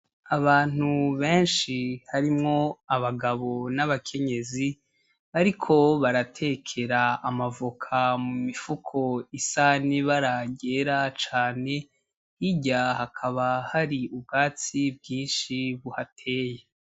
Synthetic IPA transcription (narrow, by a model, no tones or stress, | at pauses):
aβaːn̥uβe̞ːnʃihaɾimŋo̞aβaɡaβo̞naβakʰe̞ɲe̞zi | βaɾikʰo̞βaɾatʰe̞kʰe̞ɾaːmavukʰamumifukʰo̞isaniβaɾaɟe̞ɾat͡ʃaːne̞ | hiɟahakʰaβahaɾiub̚ɡaːt͡sibjĩːnʃiβuhatʰe̞ːje